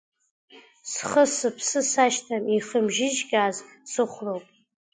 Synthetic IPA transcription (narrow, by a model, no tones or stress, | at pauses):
sχəsɨpʰsɨsaʃtʰamiχəmʒɪʒɡʲaːzsɨχʷrowpʼ